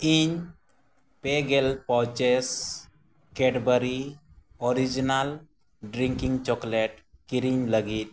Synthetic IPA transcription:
iɲ | peɡɛlpɔwt͡ʃɛs | kɛɖbəɾi | ɔɾid͡ʒinal | ɖɾiŋkiŋt͡ʃɔklɛʈkiɾiɲləɡit̪̚

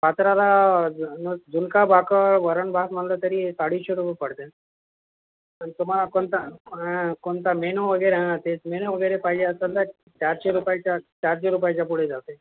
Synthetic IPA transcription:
pat̪ɾalanəd͡zunkabakəʋəɾəɳbʱasmalt̪ət̪əɾisaɽiɕeɾupəpəɽ̤t̪e | ənit̪ɔm̤alakont̪aɦãkont̪amenoʋəɡəjɾeãt̪et͡smenoʋəɡəjɾepaɦid͡ʑeəsəlt̪a | t͡ɕaɾɕeɾupajt͡ɕat͡ɕaɾɕeɾup̬ajt͡ɕapuɽ̤ed͡zat̪e

